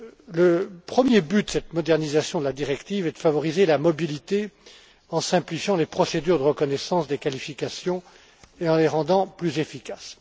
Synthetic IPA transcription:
ləpχəmjebyt̪sɛt̪mɔd̪ɛʁnizasjɔ̃d̪əlad̪iʁɛkt̪ivɛd̪əfavɔʁizelamɔbilit̪e | ɑ̃sɛ̃plifjɑ̃lepχɔsed̪yʁd̪əʁəkɔnɛsɑ̃sd̪ekalifikasjɔ̃ | eɑ̃leʁɑ̃d̪ɑ̃plyzefikʲas

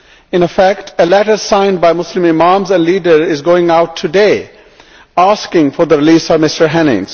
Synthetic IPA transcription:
ɪ̃nəfækʈʰəlɛʈəɾsãɪ̃nbaɪmʊslɪ̃mɪmãmzɛ̃nɖliːɖəɾɪzɡoːɪ̃ŋaʊtʰːudeɪ | askɪ̃ŋfɔɾd̪əɾɪliːsʌvmɪstəɾɦæ̃nɪ̰̃ŋz̥

